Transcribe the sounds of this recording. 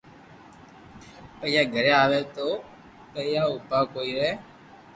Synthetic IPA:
pɛjaɡʱɛɾɛaβɛt̪o | pɛjaupakoiɾɛ

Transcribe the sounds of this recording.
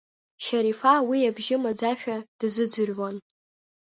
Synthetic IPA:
ʃaɾifawiabʒɪmad͡zaʃᶣad̥zɨd͡zʷʊrʲwan

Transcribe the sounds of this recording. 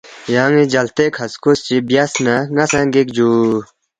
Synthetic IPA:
jaːŋĩd͡ʒɐlt̪eːkʰɐskust͡ɕibjasnaŋɐsãɡikd͡ʑuː

